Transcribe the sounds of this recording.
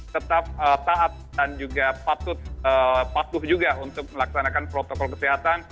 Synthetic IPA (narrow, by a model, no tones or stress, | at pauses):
t̪ət̪ap̚ət̪aat̪̚dand͡ʒuɡapat̪ʊt̪̚əpat̪ʊhd͡ʒuɡaunt̪ʊk̚məlaksanakanpɾot̪okɔlkəsiɦat̪an